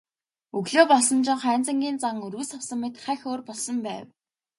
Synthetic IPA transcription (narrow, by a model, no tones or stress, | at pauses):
ɵɣɮoːpɔɮsɞ̆nt͡ɕɪ̆ɴχæːnt͡sə̆ŋɡʲiːnt͡saŋɵrɣɘ̆sɔwsə̆mit̪χæːxʲoːrpɔɮsɞ̆mpæ̰ːw